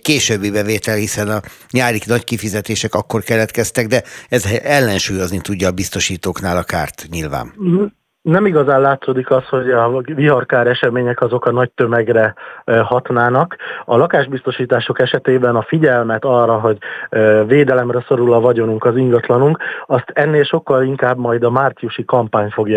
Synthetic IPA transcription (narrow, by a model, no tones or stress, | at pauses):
keːʃøːbːibɛveːt̪ɛlhisɛnɒ | ɲaːɾiknɒckifizɛt̪eːʃɛkɒkːo̞rkɛlɛt̪kɛst̪ɛɡd̪ɛɛzɛlːɛnʃuːjo̞znit̪uɟːɒːbist̪o̞ʃiːt̪oːknaːlɒka̰ːrt̪ɲilva̰ːn | nɛmiɡɒzaːnlaːt̪soːd̪ikɒsho̞ɟɒviɦɒrkaːɾɛʃɛmeːɲɛkɒzo̞kɒnɒc̚t̪ømɛɡrɛhɒt̪naːnɒkɒlɒkaːʒbist̪o̞ʃiːt̪aːʃo̞kɛʃɛt̪eːbɛnɒfiɟɛlmɛt̪ɒrːɒɦo̞ɟveːd̪ɛlɛmrɛso̞ɾulɒvɒɟo̞nuŋkɒziŋɡɒt̪lɒnuŋkɒst̪ɛnːeːlʃo̞kːɒliŋkaːbmɒjd̪ɒmaːrt̪sijuʃikɒmpaːɲfo̞ɡj